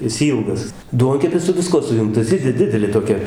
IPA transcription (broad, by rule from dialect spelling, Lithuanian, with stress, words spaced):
ɪs ˈiːlˠɡɐs ˈduɔŋʲkʲɛpʲɪs sʊ ʋʲɪˈskuɔ sʊˈjʊŋktɐs ˈjɪ dʲɪ ˈdʲɪdʲɛlʲeː toːˈkʲɛ